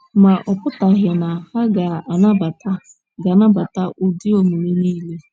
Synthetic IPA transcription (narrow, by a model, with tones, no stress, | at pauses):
ma˨ʔɔ˨pʊ˦ta˨ɦɪ˨na˨ha˦ɡa˨a˨na˦ba˨ta˦ | ɡa˨na˦ba˨ta˦ʔʊ˦di˦o˦mu˨ɾi˦niː˦le˦